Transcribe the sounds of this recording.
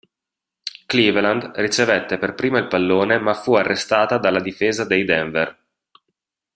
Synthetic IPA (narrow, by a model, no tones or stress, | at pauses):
kliːvland̪rit͡ʃevet̪ːeperpɾiːmailpalːoːnemafuarːʔest̪aːt̪ad̪alːad̪ifeːzad̪ejd̪ɛɱver